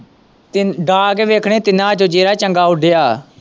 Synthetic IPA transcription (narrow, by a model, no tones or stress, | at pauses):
ɖaːɡeʋeːkʰɽeːt̪ɪnãːt͡ʃõːd͡ʒeːɾaːt͡ʃəŋɡaːʊɖejaː